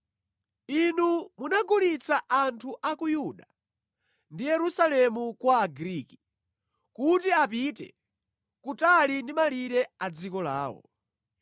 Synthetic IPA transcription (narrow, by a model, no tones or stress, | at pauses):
inumunaɡulit͡sʰaʔantʰuʔakujuɗa | ndijɛɾusalɛmukwaːɡɾiːki̥ | kutiapitɛ̰ | kutalindimaliɾɛad͡zikɔla̰ːwɔ̰